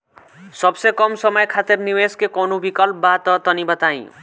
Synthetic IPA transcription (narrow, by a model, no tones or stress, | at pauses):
sɔbsekɔmsɔmɔjekʰat̪eɾniweskekonubikɔlpɔbat̪ɔt̪ɔnibat̪aj̰̃